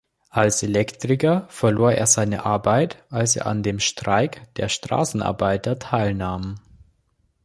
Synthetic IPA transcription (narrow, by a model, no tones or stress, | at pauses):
ʔalselɛktʁ̥ɪkɐfɛɐloːɐeːɐzaɪnə̰ʔaɐbaɪtʔalsḛːɐʔa̰ndeːmʃtʁ̥aɪkd̥ḛːɐʃtʁ̥a̰ːsn̩ʔa̰ɐbaɪtɐtʰaɪlnaːm